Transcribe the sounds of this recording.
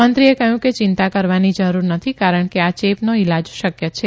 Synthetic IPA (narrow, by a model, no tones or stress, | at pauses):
ənt̪ɾiekəɦjũket͡ʃɪnt̪akəɾʋanid͡ʒəɾuɾnət̪ʰikaɾəɳkeat͡ʃepnoɪlad͡ʒʃəkjət͡ʃʰe